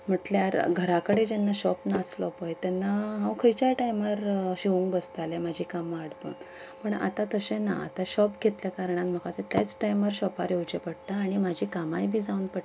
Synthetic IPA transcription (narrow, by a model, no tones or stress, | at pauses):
m̤əʈljaɾɡʱəɾakəɽed͡ʑɛnːaɕɔpnaːslɔpəjt̪anːaɦãwkʰəjt͡ɕaʈajmaɾɕiʋũŋkbəst̪alemad͡ʑʱikamːɽpṵːn | pəɳa̰t̪ãt̪əɕẽna̰a̰t̪aɕɔpɡʱet̪ljakaɾɳanm̤əkat̪et̪jat͡sʈajməɾɕɔpaɾjewt͡ɕepəɽt̪aːɽ̃imad͡ʑʱiːkamajbʱiːd͡zaunpəɽ